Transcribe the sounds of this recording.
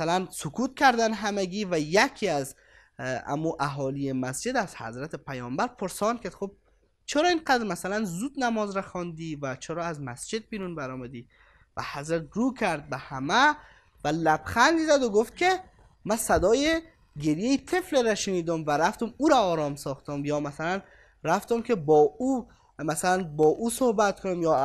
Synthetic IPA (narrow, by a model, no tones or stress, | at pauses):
alansʊkut̪̚kʰæɾd̪ænɦameɡivæjækʰiaz | a̰muʔaɦɔlijemæsd͡ʒed̪æzhæ̰zɾat̪ʰepʰæjɔːmbæɾpʰoɾsɒnkʰed̪xob̚ | t͡ʃʰeɾɔːinqad̪ɾmasalanzud̪namɔːzɾaxɔnd̪ivæt͡ʃʰeɾɔazmæsd͡ʒɪd̪̚biɾunbaɾɔmæd̪i | væ̰hæzɾæt̪̚ɾuːkʰæɾd̪̚behæmæ | vælæb̥xænd̪izæd̪oɡoft̪̚kʲʰe | mæsæd̪ɒːje | ɡeɾjejit̪ʰefleɾæʃeniːd̪omvæɾæft̪omuːɾæɒːɾɒːmsɒːxt̪omjɒːmæsælæn | ɾæft̪omkʰʲebɒːu | mæsælænbɒːʔuːsohbæt̪kʰonimjɒː